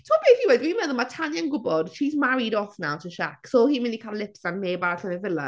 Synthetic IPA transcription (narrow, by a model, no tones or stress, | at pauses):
tʰoːb̥eːθiwɛdwimɛðʊlˠmatʰanjanɡʊbɔd̥ʃiːzmaɾɪdɔθnawtʰəʃaksohiːnmɪndikʰalˠɪpsanmeːbaɾɬənəvɪlˠə